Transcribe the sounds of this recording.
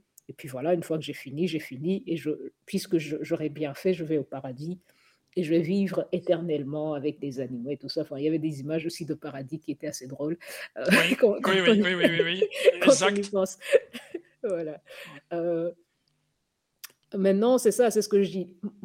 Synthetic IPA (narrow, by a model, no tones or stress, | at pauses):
epɥivwalaynfwakəʒefiniʒefiniʔeʒəpɥiskəʒəʒɔʁɛbjɛ̃fɛʒəvɛopaʁad̪i | eʒəvɛvivʁəet̪ɛʁnɛlmɑ̃avɛk̚lezanimoet̪usaɑ̃fɛ̃iljavɛd̪ezimaʒosid̪əpaʁad̪ikʲiet̪ɛased̪ʁoløkɑ̃kɑ̃ɔ̃niwwikɑ̃tɔ̃nipɑ̃s | vwalaø | mɛ̃t̪nɑ̃sɛsasɛsə̥kəʒəd̪i